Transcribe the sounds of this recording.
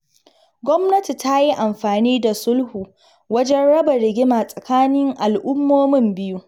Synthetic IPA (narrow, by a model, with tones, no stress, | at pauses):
ɡʷɔ˦mnɐ˦ti˨ta˦ji˦ʔa˨mɸaː˨niː˦da˨sʊ˦lhuː˨ | wɐ˦d͡ʒɛ˦nɽɐ˦ba˨ɾɪ˨ɡʲɪ˦ma˨sʼɐ˨kaː˦nɪ˦ŋʔa˨lʔʊ˦mːoː˦mɪ˦mbɪ˦ju˦